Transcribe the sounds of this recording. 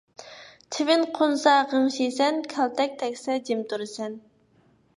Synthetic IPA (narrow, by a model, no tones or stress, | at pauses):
t͡ʃ̪ʰɪvɪnqʰonsɑʁəmʃesɛnkʲʰɛlt̪ʰɛk̚ʲt̪ʰɛkʲsɛd͡ʒimt̪ʰuɾɨsɛn